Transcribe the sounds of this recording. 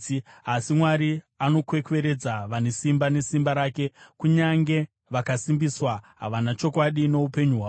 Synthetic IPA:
asimwaɾi | ano̞kwe̞kwe̞ɾe̞d͡zaʋanesimbane̞simbaɾaːke̞kuɲaŋɡe̞ | ʋakasimbiswaɦa̰ʋanat͡ʃo̞kwaɗino̞upe̞ɲuɦwaː

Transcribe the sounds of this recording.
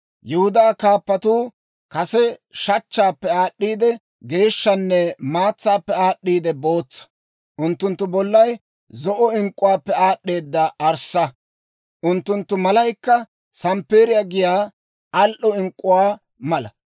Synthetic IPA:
jɛhʊd̪aːkaːpːɐt̪uː | kɐsɛʃɐt͡ʃːaːpːɛaːɗːiːd̪ɛ | ɡe̞ːʃːɐnːɛmaːt͡sːaːpːɛaːɗːiːd̪ɛbo̞ːt͡sːɐ̥ | ʔʊnt̪ːʊnt̪ːʊbɔlːɐj | zɔʔɔɪŋkʼːʊwaːpːɛaːɗːeːd̪ːɐɐɾsɐ | ʔʊnt̪ːʊnt̪ːʊmɐlɐjkːɐ | sɐmpːeːɾɪjaɡɪjaː | ɐlʔɔɪŋkʼːʊwaː | mɐlɐ

